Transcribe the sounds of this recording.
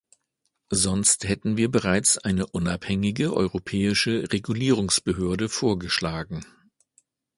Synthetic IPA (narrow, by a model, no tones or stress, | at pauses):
zɔnsthɛtn̩viːɐbəʁaɪt͡sʔaɪnəʔʊnaphɛŋɪɡəʔɔ̰ʏʁopʰɛːɪʃəʁeɡuliːʁ̞ʊŋsb̥əɦøːɐdəfoːɐɡəʃlaːɡŋ̩